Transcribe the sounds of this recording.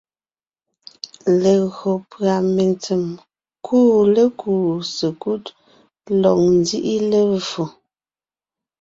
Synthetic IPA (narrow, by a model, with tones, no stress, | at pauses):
le˨ɣo˨pɰa˨me˨nt͡se˨m | kʰuː˦le˦kʰuː˨se˨ku˦t | lɔ˨ŋ̚n˦di˦ʔi˦le˦vu˨